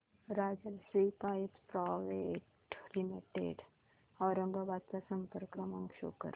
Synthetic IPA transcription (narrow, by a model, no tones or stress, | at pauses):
ɾaːd͡ʒəlsɾiːpãːtpɾaːʋe | ʈlimiʈḛɖ | ɔːɾə̃ŋɡaʋaːd̪̚kasə̃mpəɾkɐmɐ̃ŋɡʃo̰ːkə̰ɾ